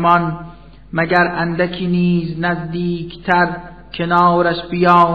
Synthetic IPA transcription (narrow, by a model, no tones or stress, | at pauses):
mɒn | mæɡæɾʔænd̪ækʰiːniːznæzd̪iːkʰt̪ʰæɾ | kʰenɒːɾæʃbijɒː